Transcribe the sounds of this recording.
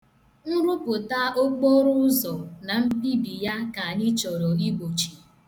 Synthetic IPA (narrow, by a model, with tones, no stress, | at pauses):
n̩˦ɾʊ˦pʊ˨ta˦o˦k͡po˦ɾʊ˦ʊ˦zɔ˨na˨m̩˦bi˦bi˨ja˦ka˨ɲɪ˦t͡ʃɔ˨ɾɔ˨i˦ɡ͡bo˨t͡ʃi̥˨